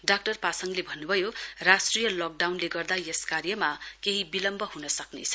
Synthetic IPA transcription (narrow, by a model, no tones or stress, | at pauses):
ɖak̚ʈʌrpasʌŋlebʱʌnːubʱʌjorasʈrijʌlɔk̚ɖawnleɡʌrd̪ajeskarjʌmakeɦibilʌmbʱʌɦunʌsʌknḛt͡sʰʌ̥